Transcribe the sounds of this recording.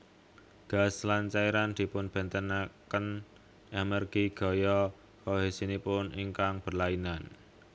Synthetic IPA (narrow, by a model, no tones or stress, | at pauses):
ɡ̥a̤slant͡ʃaiɾand̪̥i̤pʊnb̥ɛ̤nt̪ənakən | emɛrɡ̥iɡ̥ɔ̤jɔ | kɔɦesinipʊniŋkaŋb̥ə̤rlainan